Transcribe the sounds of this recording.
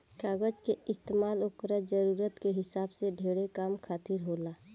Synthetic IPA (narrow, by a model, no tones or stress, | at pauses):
kaːɡəd͡ʒkeɪst̪eːmaːlokɾəd͡ʒəɾuːɾət̪keɦɪsaːbseɖʱeːɽekaːmkʰaːt̪ɪɾɦoːlaː